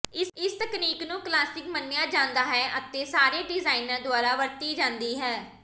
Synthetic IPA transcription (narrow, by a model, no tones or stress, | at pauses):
ɪsɪst̪əkniːknũːklaːsʈɪkmənːɪjãːd͡ʒãːnd̪aːɦɛːʔət̪eːsaːɾeːɖɪzaːinəːd̪ʊaːɾaːʋəɾt̪iːd͡ʒãːnd̪iːɦɛː